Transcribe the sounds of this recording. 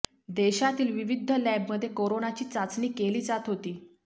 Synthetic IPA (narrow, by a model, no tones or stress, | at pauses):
d̪eɕat̪iːlʋiʋid̪ʱːəlɛbməd̪ʱːjekoɾonat͡ɕiːt͡sat͡sniːkeliːd͡zat̪ɦot̪iː